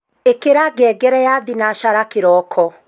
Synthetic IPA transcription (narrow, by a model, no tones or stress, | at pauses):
ekeɾaɡɛːɡɛɾɛjaðinaʃaɾakeɾɔkʰɔ